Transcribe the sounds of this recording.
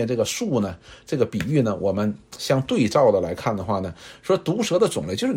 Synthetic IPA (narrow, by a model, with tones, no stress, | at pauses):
nʈ͡ʂɤ˥˩ɡə˩ʂu˥˩nə˩ʈ͡ʂɤ˥˩ɡə˩pi˨˩y˥˩nə˩wʔɔ̰˨˩mə˦nɕjɑ˥˧ŋt̪we˥˧ɪt͡sɑ˥˩ʊd̪ə˩la̰˧˥ɪkʰa˥˩nd̪ə˩xwa˥˩nə˩ʂwɔ˥t̪u˧˥ʂɤ˧˥d̪ə˧t͡sʊ˨˩ŋlt͡ɕjo˥˧ʊʂ̩˥